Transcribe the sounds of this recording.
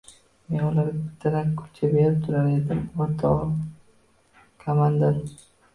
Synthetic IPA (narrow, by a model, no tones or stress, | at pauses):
me̞nʊlaɾbɪt̪ʰːaɾakʰʊ̥pt͡ʃʰabe̞ɾɪp̚t̪ʰʊɾaɾed̪ɪmvaɾt̪ʰɒʁ | kʰamand̪aɾ